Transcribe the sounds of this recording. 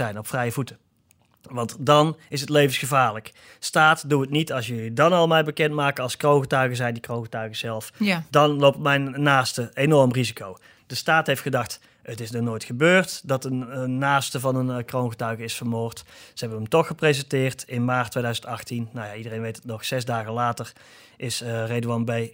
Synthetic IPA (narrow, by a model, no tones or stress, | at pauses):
ɛjnɔpfrɛjəvutə | ʋɑntdɑnɪs̬ətlejvənsxəvaːɹlək | staːtduətnitɑlˠsjəlidɑnɑlˠmɛjbəkɛntmaːk̚ɑlˠskrownɣətœɥɣəzɛjndikrownɣətœɥɣəzɛlˠfdɑnlowp̚tmɛjnːaːstəenɔɹmrizikʰow | d̥əstaːtɦejftxədɑxt | ətɪsnɔnoːjtxəbøːrtdɑtənəːaːstəvɑnənkrownɣətœɥɣəɪsfərmʊːrtsəɦɛbənəmtɔxəprezəntɪːrtɪnmaːrtʰːʋejdœɥzəntɑxtinːawjaidərejnʋejtətnɔxsɛzdaːɣəlaːtər | ʔɪsrejdəɑnbej